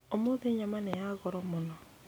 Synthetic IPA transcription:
omoðeɲamanejaɣɔɾɔmonɔ

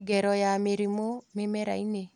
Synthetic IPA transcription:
ɡɛɾɔjameɾimomemeɾa̰ine

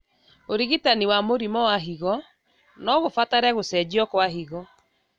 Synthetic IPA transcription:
oɾiɣitaniwamoɾimɔwaɦiɣɔ | nɔɣofataɾɛɣosɛd͡ʑiɔkwaɦiɣɔ

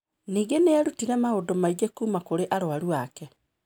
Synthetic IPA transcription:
niːɣeneaɾutiɾɛmaodomaid͡ʒekuːmakoɾeʔaɾoaɾuakɛ

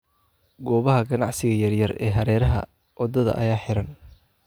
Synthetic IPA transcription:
ɡɔːβɐɦɐɡɐnɑʕsɪɣɐjɐrjɐrɛ̰ːɦɐɾɛːɾɐɦɐ̰ | ʔɔd̪ɐðɐ̰ʔɐ̰jaːħɪɾɐn

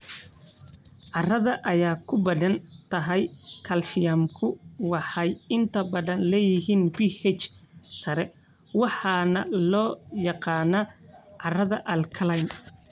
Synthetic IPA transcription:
ʕɑrɐðɐʔɐjaːkʰʊbɐðɐnt̪ʰɐɦɛjkʰɐlʃɪjɐmkʰʊwɑħɑjɪnt̪ʰɐbɐðɐnlɛːjɪɦiːnbihɛt͡ʃsɐɾɛ | wɑħɑːnɐlɔːjɑqɑːnɐʕɑrɐðɐʔɐlkʰɐlɐjm

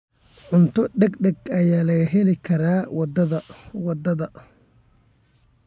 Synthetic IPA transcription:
ʕʊnt̪ʰɔɖɐɡɖɐɡɐjaːlɐɣɐɦɛlɪkʰɐɾaːwɑd̪ɐðɐwɑd̪ɐðɐ

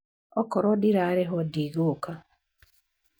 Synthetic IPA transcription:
ɔkɔɾodiɾaɾeɦodiɣuka

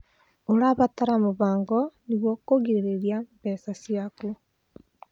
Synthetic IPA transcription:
oɾaβataɾamoβaːŋɡɔniβwɔkoɣiɾeɾeɾiambɛsasiaku

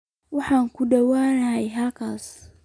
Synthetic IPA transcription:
wɑħaːŋkʰʊɖɐwaːnɐɦɛjɦɐlkʰaːs

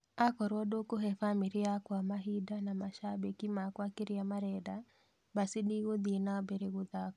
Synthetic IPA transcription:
akɔɾwɔdokoɦɛfamiɾiakwamaɦidanamaʃabekimakwakeɾiamaɾɛda | basiɗiɣoðinabeɾeɣoðakɔ

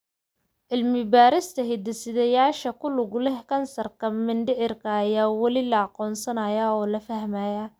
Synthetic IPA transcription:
ʔɪlmɪbaːɾɪst̪ʰɐɦɪd̪ɐsɪðɐjaːʃɐkʰʊlʊɣʊlɛhkʰɐnsɐrkʰɐmɪnɖɪʕɪrkʰɐːjaːwɐlɪlɐɑqɔːnsɐnɐjaɔːlɐfɐhmaja

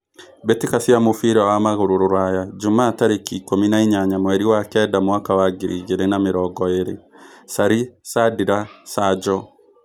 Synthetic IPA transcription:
betikasiamofiɾawamaɣoɾoɾoɾajad͡ʒomaːtaɾekikominaiɲaɲamwɛɾiwakɛdamwakawaɡiɾiɣeɾenameɾɔɡɔeɾe | saɾisadiɾasad͡ʒɔ

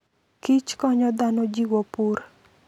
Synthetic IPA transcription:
kit͡ʃkɔɲɔd̪anɔd͡ʒiwɔpur

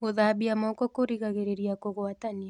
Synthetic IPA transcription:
ɣoðaːβiamɔkɔkoɾiɣaɣeɾeɾiakoɣwatania

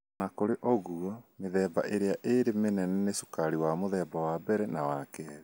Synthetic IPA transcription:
nakoɾeʔɔɣuɔmeðɛːba̰ʔeɾeaʔeɾemenɛnɛneso̥kaɾiwamoðɛːbawabɛɾɛnawakɛɾɛ

